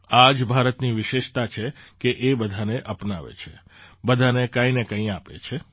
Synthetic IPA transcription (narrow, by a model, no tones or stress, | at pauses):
ad͡ʒbʱaɾət̪niʋɪʃeʃt̪at͡ʃʰekeʔebəd̪ʱaneʔəpnaʋḛt͡ʃʰebəd̪ʱanekãinekə̃ĩapḛt͡ʃʰe